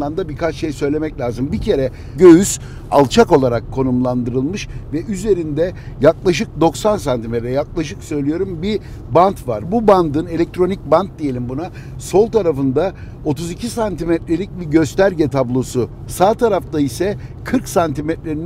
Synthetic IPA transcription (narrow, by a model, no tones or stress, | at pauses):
and̪abikat͡ʃʃe̞jsø̞jlʲe̞mɛclʲaːzɯmbicʰe̞ɾɛ | ɟø̞jyz̥ | a̰lˠt͡ʃʰako̞lˠaɾakʰːo̞numlˠand̪ɯɾɯlˠmɯʃvɛʔyze̞ɾind̪ɛ | jaklˠaʃ̬ɯk̚d̪o̞ksansant̪ʰimet̪ɾɛjaklˠaʃɯksø̞jlʲijo̞ɾumbi | bant̪vaɾbuband̪ɯne̞lʲɛc̚t̪ɾo̞nic̚bant̪̚d̪ije̞lʲimbuna | so̞lˠt̪ʰaɾafɯnd̪a | o̞t̪ʰuzicʰisant̪imɛt̪ɾelʲic̚ʲbiɟø̞st̪æɾɟɛt̪ʰablˠo̞su | saːt̪ʰaɾaft̪aisɛkʰɯɾksant̪ʰimɛt̪lʲeɾi